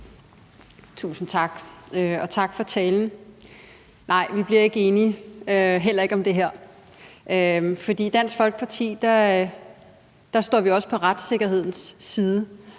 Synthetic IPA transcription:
t͡sʰṵːsn̩t͡sʰɑ̈ɡ̥øɒ̽t͡sʰɑ̈ɡ̥fɒ̽t͡sʰɛːln̩ | nʔɑ̈ɪ̰ʋib̥liɐe̝ɡ̥əe̝ːniøɦel̰ɐe̝ɡ̥ɒ̽md̥e̝ɦæɐ̰ | ʔøfɒ̽d̥ḭːd̥æn̰sɡ̥fɒ̽lɡ̥ə̥pʰɑ̈t͡sʰḭːd̥ɑ | d̥ɑ̈sd̥ɒ̰ːʋiɒ̽sə̥pʰɒ̽ʁad̥se̝ɡ̥ɐɦe̝ð̰ˠn̩sːiːð̞ˠə

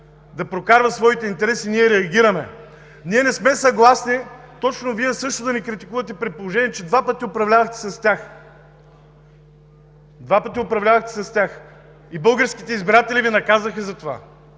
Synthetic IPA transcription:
d̪ɐpɾokaɾvɐsvɔit̪ɛint̪ɛɾɛsiniɛɾɛɐɡʲiɾɐmɛ | niɛnɛsmɛsɐɡlˠasnit̪ɔt͡ʃnoviɛsɤʃt̪ʊd̪ɐnɛkɾit̪i̥kuvɐt̪ɛpɾɛt̪̚polˠoʒɛniɛt͡ʃɛd̪vapət̪iopɾɐvlʲavɐxt̪ɛ̥sɐst̪ʲjax | d̪vapət̪iopɾɐvlʲavɐxt̪ɛ̥sɐst̪ʲjax | ibɤlˠɡəɾskit̪ɛizbiɾat̪ɛlʲivinɐkazɐxəzɐt̪ova̰

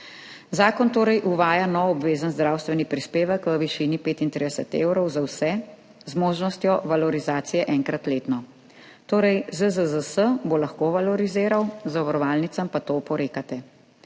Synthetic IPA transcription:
zaːkɔnt̪oːɾɛjʔuʋaːjanɔwɔbʋeːzənzd̪ɾawst̪ʋɛnipɾispeːʋəkʋəʋiʃiːnipeːt̪int̪ɾid̪ɛsət̪ḛːwɾɔwzawsɛ | zmoːʒnɔst̪jɔʋalɔɾizaːt̪sijɛʔɛŋkɾat̪leːt̪nɔ | t̪oːɾɛjzəzəzəsəbolaxkoːʋalɔɾizeːɾawzaʋaɾɔʋaːlnit̪sampat̪opɔɾeːkat̪ɛ

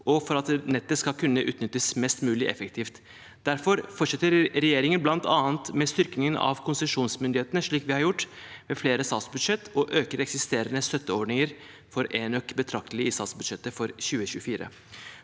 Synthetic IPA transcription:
ʔɔfɔɾɑt̪nɛt̪ːəskɑlkʰʉnːəʔʉ̰ːt̪nʏt̪ːəsmɛst̪mʉːlɪʔɛ̰fəkt̪ʰiːft̪ | d̪̥æɾfɔɾfɔʈʂɛt̪ːəɾɾɛjeːɾɪŋənblɑnt̪ʰɑːnt̪mɛst̪ʏɾknɪŋənɑ̰ʋkʰʊnsəʂuːnsmʏnd̪ɪheːt̪ənəʂɭiːkʋɪhɑɾjʊʈː | mɛfleːɾəsɑt̪sbʉd̪ʂɛt̪ːɔʔøːkəɾɛksɪst̪eːɾənəst̪œt̪ːəɔɖɳɪŋəɾ | fɔɾenœkbət̪ʰɾɑk̚t̪əlɪəiːsɑt̪sbʉd̪ʂɛt̪ːəfɔɾçʉːəɕʉːəfiːɾə̰

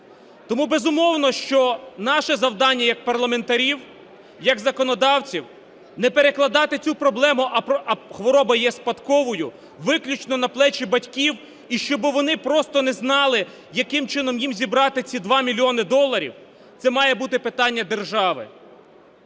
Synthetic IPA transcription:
t̪ɔmubezʊmɔwnɔʃt͡ʃɔnɑʃɛzɐwd̪ɑnʲːɐjɐk̚pɐrlˠɐment̪ɐɾʲiw | jɐɡzɐkɔnɔd̪ɑwt͡sʲiw | nɛpeɾeklˠɐd̪ɑt̪ɪt͡sʲupɾɔblˠɛmʊʔɐpɐxʋɔɾɔbɐjɛspɐt̪kɔʋɔjʊ | ʋɪklʲut͡ʃnɔnɐplˠɛt͡ʃibɐtʲkʲiw | iʃt͡ʃɔbɪʋɔnɪpɾɔst̪ɔnɛznɑlˠɪ | jɐkɪmt͡ʃɪnɔmjimzʲibɾɑt̪ɪt͡sʲid̪ʋɑmʲilʲiɔnɪd̪ɔlˠːɐɾʲḭw | t̪sɛmɑjɛbut̪ɪpɪt̪ɑnʲːɐd̪erʒɑʋɪ̰

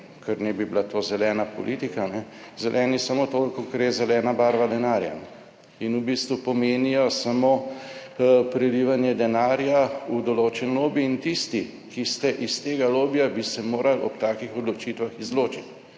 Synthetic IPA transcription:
kɛɾnɛbibilat̪oːzɛlɛːnapɔ̰lʔiːt̪ikanɛzɛlʔɛnisamoːt̪okokaɾɛzɛlɛːnabaːɾʋad̪ɛnaːɾja̰n | inubist̪ʋupɔmeːnijɔsamo | pɾɛliʋanjɛd̪ɛnaːɾjaud̪ɔloːt͡ʃɛnloːbiːnt̪ist̪i | kist̪ɛʔist̪eːɡaloːbjabisɛmoːɾalɔ̰p̚t̪aːkixɔd̪lɔt͡ʃit̪ʋaxizloːt͡ʃit̪

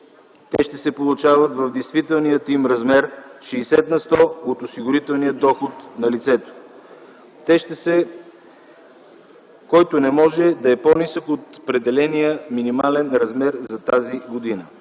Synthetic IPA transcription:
t̪ɛʃt̪ɛsɛpolˠʊt͡ʃavət̪vɐvd̪ɛjst̪vit̪ɛlˠnijət̪imɾɐzmɛɾʃɛːsɛt̪nɐst̪ɔot̪osiɡʊɾit̪ɛlˠnijəd̪ɔxot̪nɐlit̪sɛt̪o̥ | t̪ɛʃɛ | kɔjt̪onɛmɔʒɛd̪ɐɛpɔnisəkot̪opɾɛd̪ɛlɛnijəminimalɛnɾɐzmɛɾzɐt̪aziɡod̪inə

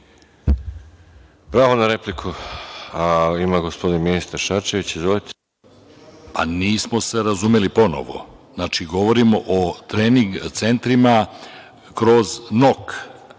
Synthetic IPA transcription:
pɾaːʋonaɾeplikʰuaimaɡospo̞d̪inminist̪aɾʃaɾt͡ʃeʋit͡ɕizʋolit̪ | pa̰niːsmo̞se̞ɾazumelipo̞no̞̰ʋo̞̰znaːt͡ʃiɡo̞ʋo̞ɾimo̞ʔot̪ɾeːniŋɡt̪se̞nt̪ɾima | kɾo̞zno̞k

